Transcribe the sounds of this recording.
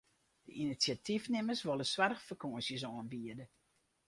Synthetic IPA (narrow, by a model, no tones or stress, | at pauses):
d̥əʔinisjatifnɪməsʋolˠəswarxfərkʰoəsjəs̬ɔːnbiədə